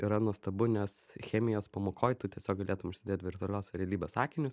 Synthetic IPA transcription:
ɪɾɐnuɔst̪ɐbʊnʲɛsxʲæːmʲɪjoːspɐmoːkʰoːjt̪ut̪ʲiɛsʲoːk̚ɡɐlʲeːt̪ʊmʊʃʲsʲɪd̪ʲeːt̪ʲʋʲɪɾt̪ʊɐlʲoːsɾʲɛlʲiːbʲɛsɑːkʲɪnʲʊs

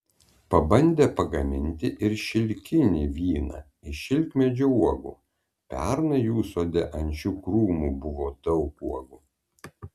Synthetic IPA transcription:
pɐbɐnʲd̪ʲeːpɐɡɐmʲɪnʲt̪ʲɪʔɪɾʃʲɪlʲkʲɪnʲiːʋʲiːnɐ̰ | ɪʃʲɪlʲkmʲɛd͡ʒʲouɔɡṵː | pʲɛ̰ɾnɐjuːsoːd̪ʲɛʔɐnʲt͡ʃʲuːkɾuːmuːbʊʋoːd̪ɒʊkuɔɡuː

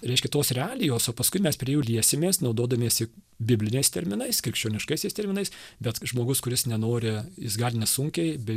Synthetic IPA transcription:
ɾʲɛɪʃkʲɛt̪oːsɾʲɛaːlʲɪjoːsoːpɐskʊɪmʲɛspʲɾʲiɛjuːlʲiɛsʲɪmʲeːsnɒʊd̪oːd̪ɐmʲieːsɪ | bʲɪbʲlʲɪnʲɛɪst̪ʲɛɾʲmʲɪnɐɪskɾʲɪkʃʲt͡ʃʲoːnʲɪʃkɐɪsʲɛɪst̪ʲɛɾʲmʲɪnɐɪsbʲɛt̪ʒmoːɡʊskʊɾʲɪsnʲɛnoːɾʲɪjɪsɡɐlʲnʲɛsʊŋʲkʲɛɪbʲɛ

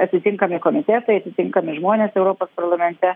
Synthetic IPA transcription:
ɐt̪ʲɪt̪ʲɪŋkɐmʲɪkoːmʲɪt̪ʲɛt̪ɐɪɐt̪ʲɪt̪ʲɪŋkɐmʲɪʒmoːnʲeːsɛʊɾoːpoːspɐɾlˠɐmʲɛnʲt̪ʲɛ

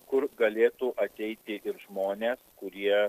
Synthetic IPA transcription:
kʊɾɡɐlʲeːt̪uːʔɐt̪ʲɛɪt̪ʲɪʔɪɾʒmoːnʲeːskʊɾʲiɛ

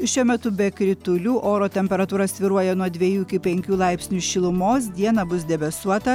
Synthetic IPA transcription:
ʃʲuɔmʲɛt̪ʊbʲɛkɾʲɪt̪ʊlʲuːʔoːɾoːt̪ʲɛmʲpʲɛɾɐt̪uːɾɐsʲʋʲɪɾuɔjɛnuɔd̪ʲʋʲɛjuːɪkʲɪpʲɛŋʲkʲuːlˠɐɪpʲsʲnʲuʃʲɪlˠʊmoːs̬d̪ʲiɛnɐbʊs̬d̪ʲɛbʲɛsuɔt̪ɐ

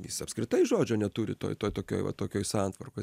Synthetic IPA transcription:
jɪ̰sɐpskɾʲɪt̪ɐɪʒoːd͡ʒʲoːnʲɛt̪uːɾʲɪ̰t̪o̰ːjt̪oːjt̪oːkʲo̰ːjʋɐ̰t̪oːkʲoːjsɑːnt̪ʋɐrkoɪ

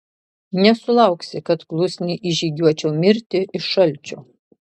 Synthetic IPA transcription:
nʲɛsʊlˠɐʊksʲɪkɐt̪klˠʊsʲnʲiːʔɪʒʲiːɡʲuɔt͡ʃʲɛʊmʲɪɾʲt̪ʲɪɪʃːɐlʲt͡ʃʲoː

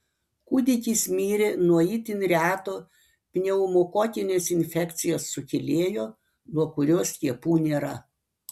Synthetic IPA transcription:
kud̪ʲɪk̪ʲiːsmʲiːɾʲenuɔiːt̪ʲɪnʲɾʲæːt̪oː | pʲnʲɛʊmoːkoːt̪ʲɪnʲeːsɪnʲfʲɛkʲt̪sʲɪjoːsːʊkʲɪlʲeːjoː | nuɔkʊɾʲoːst̪ʲiɛpuːnʲeːɾɐ

